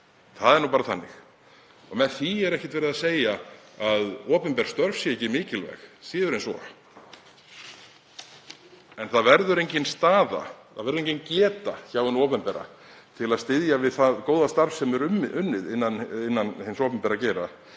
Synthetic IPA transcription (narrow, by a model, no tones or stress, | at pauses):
θaðɛɾnuːpaːɾaθa̰nːɪ̰x | ɔmɛðθiɛɾɛhcɪ̥t̪vɛːɾðaseːjaaðɔːpʏmpɛɾ̥st̪œɾvsjɛɛcɪmɪːcɪlvɛ̰xsiːðʏɾẽjnsvɔ̰ | ɛnθaðvɛɾðʏɾejɲcɪnst̪aːða̰θa̰ðvɛɾðɾẽjɲcːɪncɛːt̪a̰çawɪnɔːpɛmpɛɾa̰ | t̪ʰɪlaðst̪ɪðjavɪðθaðkoːwðast̪aɾfsɛmɛɾʏmːɪʔʏnːɪðɪnːanɪnːanhɪnsɔːpɛmpɛɾacɛːɾa